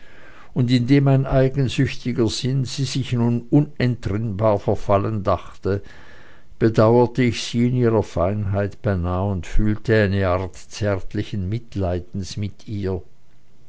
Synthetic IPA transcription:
ʊndɪndeːmaɪnaɪɡən̩zʏçtɪɡɐz̥ɪnz̥iːzɪçnunʊnɛntʁ̥ɪnbaːɐfɛɐfaləndaχtə | b̥ədaʊɐtəɪçz̥iːɪniːʁɐfaɪnɦaɪtb̥ɛnaːlʊntfyːltəaɪnəaɐtt͡sɛɐtʰlɪçənmɪtlaɪdn̩smɪtʰiːɐ

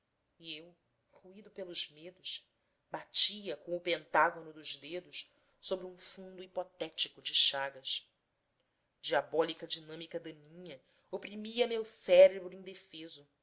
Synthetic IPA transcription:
iew | χuid̪ʊpelʊzmed̪ʊʃ | bat͡ʃiɐkõw̃ʊpẽnt̪aɡonʊd̪ʊzd̪ed̪ʊʃ | sobɾiũfũnd̪uipɔt̪ɛt͡ʃikʊd͡ʒɪʃaɡɐs | d͡ʒiabɔlikɐd͡ʒinɐ̃mikɐd̪ɐnĩɲɐ | opɾimiɐmewsɛɾebɾʊẽd̪efezʊ

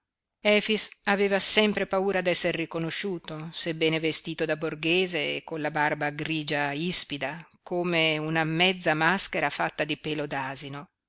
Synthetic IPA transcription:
ɛːfisaveːvasɛmpɾepauːɾad̪ɛsːerːikonoʃːuːt̪osebːɛːnevest̪iːt̪od̪aborɡeːzḛːkːonlabarbaɡɾiːd͡ʒaispid̪akoːmeunamɛd̪zːamaskeɾafat̪ːad̪ipɛːlod̪aːzino

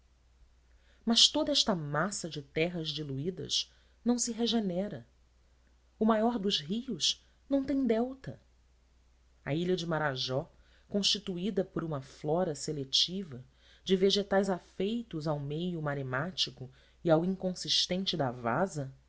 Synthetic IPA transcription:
mɐʃt̪od̪ɐɛʃt̪ɐmasɐd͡ʒɪt̪ɛɦɐzd͡ʒiluid̪ɐ̰ʃ | nɐ̃w̃sɪɦeʒenɛɾɐ | ʊmajɔɾd̪ʊzɦiʊʃ | nɐ̃w̃t̪ẽj̃d̪ɛwt̪ɐ̰ | ɐiʎɐd͡ʒɪmaɾaʒɔ | kõʃt͡ʃit̪uid̪ɐpʊɾũmɐflɔɾɐselet͡ʃivɐ | d͡ʒɪveʒet̪ajzafejt̪ʊzawmejʊmaɾemat͡ʃikʊ | iawĩŋkõsiʃt̪ẽnt͡ʃɪd̪ɐva̰zɐ

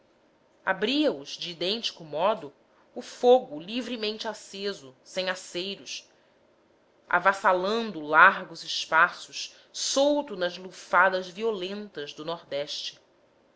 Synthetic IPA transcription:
a̰bɾiɐʊzd͡ʒiːd̪ẽnt͡ʃi̥kʊmɔd̪ʊː | foɡʊlivɾimẽnt͡ʃɪasezʊsẽj̃asejɾʊs | a̰vasalɐ̃nd̪ʊlaɾɡʊzɪʃpasʊʃ | sowt̪ʊnɐzlufad̪ɐzviolẽnt̪ɐzd̪ʊnɔɾd̪ɛʃt͡ʃɪ̥

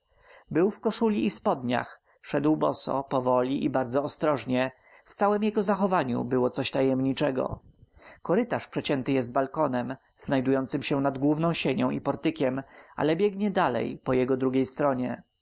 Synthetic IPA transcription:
bɘwfkɔʂulʲiːspɔd̪ɲa̰x | ʂɛd̪wbɔ̰sɔ̰pɔvɔlʲiʔibaɾd̪zɔːst̪ɾɔʐɲɛ | ft̪sawɛmjɛɡɔzaxɔvaɲṵbɘwɔt̪sɔɕt̪ajɛmɲit͡ʂɛɡɔ̰kɔɾɘt̪aʂpʂɛt͡ɕɛnt̪ɘjɛszt̪balkɔnɛm | znajd̪ujɔnt̪sɘmɕɛnad̪ɡwuvnɔ̃w̃ɕeɲɔ̃w̃ipɔɾt̪ɘkʲɛmʔa̰lɛbʲjɛɡɲɛd̪alɛ̰jpɔjɛɡɔd̪ɾuɡʲejst̪ɾɔɲɛ̰

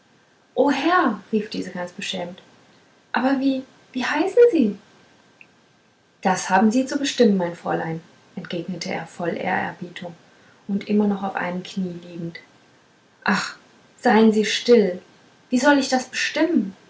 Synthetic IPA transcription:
ʔoːhɛɐʁiːfd̥iːzəɡant͡sb̥əʃɛːmt | ʔaːbɐviː | viːhaɪsn̩ziː | d̥ashaːbm̩ziːt͡subəʃtɪmənmaɪnfʁ̥ɔ̰ɐlaɪn | ʔɛntɡ̥eːɡnətʰəʔḛːɐfɔlʔḛːɐɛ̰ɐbiːtʰʊŋ | ʔʊntʔɪmɐnɔχaʊfʔa̰ɪnəmkʰniːliːɡŋ̩t | ʔaχ | z̥aɪənziːʃtɪl | viːzɔlɪçd̥asb̥əʃtɪmən

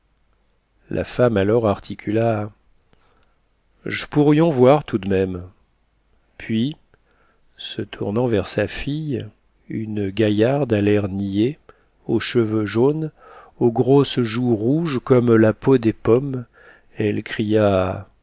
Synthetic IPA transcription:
lʔa̰famalɔʁaʁt̪ʰikʲʰyla | ʒəpuʁjɔ̃vwaʁt̪ud̪mɛm | pɥi | sət̪ʰuʁnɑ̃vɛʁsafij | ynɡʲajaʁd̪alɛʁnije | oʃəvøʒon | oɡʁosʒuʁuʒkɔmlapod̪epɔm | ɛlkχija

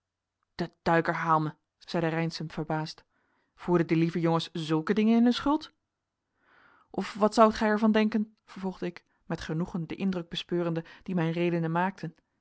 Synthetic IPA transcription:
d̥əd̥œɥkəɹɦaːlˠmə | z̥ɛjdərɛjnsəmv̥əɹbaːst | v̥uːɹdədəlivəjoŋəszɵlˠkədɪŋənɪnɦɵnsχɵlˠt | ʔɔfʋɑtsʌwtχɛjɛɹvɑndɛŋkən | v̥əɹvɔlˠχdəɪk | mɛtχənuχəndəʔɪndrɵɡ̚bəspøːrəndəd̥imɛjnrejdənəmaːk̚tʰən

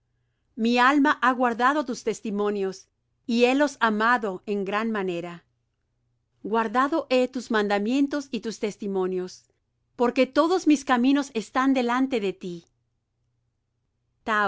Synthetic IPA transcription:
mialmaʔaɣwaɾðaðo̞t̪̬ust̪e̞st̪imõ̞njo̞s | ie̞lo̞samaðo̞e̞ŋɡɾanmane̞ɾa | ɡwaɾðaðo̞ʔe̞t̪uzmãnd̪amje̞nt̪o̞sit̪ust̪e̞st̪imõ̞njo̞s | po̞ɾke̞t̪o̞ðo̞zmiskamĩno̞se̞st̪and̪e̞lant̪e̞ðet̪i | t̪a

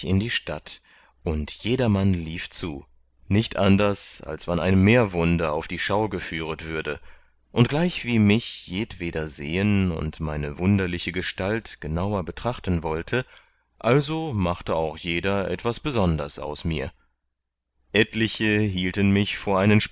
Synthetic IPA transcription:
ɪndiːʃtat | ʔʊntjeːdɐmanliːft͡suː | nɪçtʔandɐsa̰lsv̥anaɪnmeːɐvʊndɐa̰ʊfd̥iːʃaʊɡəfyːʁ̞ətv̥ʏɐdə | ʔʊnt̚ɡ̥laɪçv̥iːmɪçjeːtv̥eːdɐzeːənʊ̰ntmaɪnəvʊndɐlɪçəɡəʃtaltɡ̥ənaʊɐbətʁ̥aχtən̩vɔltʰə | ʔalzomaχtəaʊxjeːdɐʔɛ̰tv̥asb̥əzɔndɐəsa̰ʊsmiːɐ | ʔɛtlɪçəɦiːltənmɪçfoːɐʔaɪnənʃ

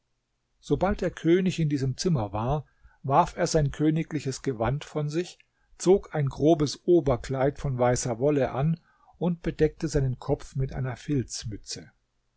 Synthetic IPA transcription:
z̥obalt̚d̥eːɐkʰøːnɪçɪndiːzəmt͡sɪmɐvaːɐ | vaɐfeːɐzaɪnkʰøːnɪklɪçəsɡ̥əvantfɔnzɪç | t͡soːkaɪnɡʁoːbəsʔoːbɐkl̥aɪtfɔnvaɪsɐvɔləʔan | ʔʊnt̚b̥ədɛk̚təzaɪnənkʰɔp͡fmɪtʔa̰ɪnɐfɪlt͡smʏt͡sə

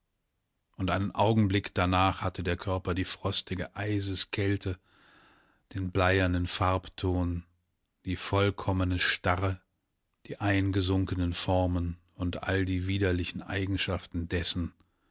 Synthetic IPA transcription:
ʔʊntʔaɪnənʔaʊɡŋ̩blɪkd̥anaːχhatədeːɐkʰœɐpɐdiːfʁ̥ɔstɪɡəʔaɪzəskʰɛltʰə | d̥eːnblaɪɐndənfaɐptʰoːn | d̥iːfɔlkʰɔmənəʃtaʁə | d̥iːʔaɪnɡəzʊŋkənənfɔɐmən | ʊntʔa̰ldiːviːdɐlɪçn̩ʔa̰ɪɡŋ̩ʃaftn̩dɛsn̩

